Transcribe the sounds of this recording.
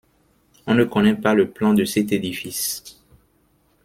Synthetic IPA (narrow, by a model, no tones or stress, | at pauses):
ɔ̃nəkɔnɛpaləplɑ̃d̪əsɛt̪ed̪ifis